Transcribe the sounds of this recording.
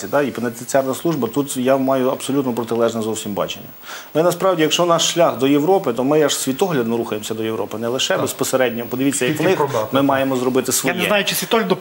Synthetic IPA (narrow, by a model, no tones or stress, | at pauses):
id̪ɑipenet̪ɪt͡sʲɑrnɐslˠuʒbɐt̪ut̪jamɑjʊɐbsɔlʲut̪nɔpɾɔt̪ɪlˠɛʒnɛzɔwsʲimbɑ̰t͡ʃenʲːɐ̰mɪnɐspɾɑʋdʲijɐkʃt͡ʃɔnɑʃʃlʲaxd̪ɔjeʋɾɔpɪt̪ɔmɪjaʒsʲʋʲit̪ɔɦlʲɐd̪nɔɾuxɐjemɔsʲɐd̪ɔjeʋɾɔpɪnɛlˠɪʃɛbespɔseɾɛdʲnʲɔɦɔpɔd̪ɪʋʲit͡sʲːɐjɐkʋnɪxmɪmɑjemɔzrɔbɪt̪ɪsʋɔnj̪ɛnajʊt͡ʃɪsʲʋʲit̪ɔɦlʲɐd̪ɔ